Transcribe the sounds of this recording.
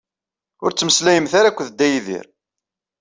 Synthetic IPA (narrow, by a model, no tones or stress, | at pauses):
ʊɾt͡sːməslæjəmθaɾakʷːðəd̪ːæjiðḭɾ